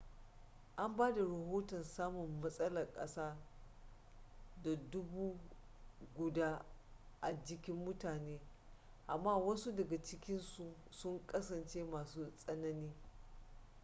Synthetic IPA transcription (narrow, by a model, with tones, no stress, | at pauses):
ʔa˦mbaː˦da˨ɾɐ˨ɦoː˦tɔ˨nsaː˦mʊ˨mːɐ˦sʼɐ˦lɐ˨rkʼɐ̰˦saː˦ | da˨dʊ˦buː˦ | ɡʷʊ˨daː˦ʔa˨d͡ʒɪ˦kʲɪ˦mːʊ˦taː˨neː˦ | ʔa˨mːaː˦wɐ˦nsu˦dɐ˨ɡa˨t͡ʃɪ˦kʲɪ˦nsu˨ | sʊ˦ŋkʼɐ˦sɐ˨nt͡ʃeː˦maː˨suː˦sʼɐ˦nɐ˦niː˦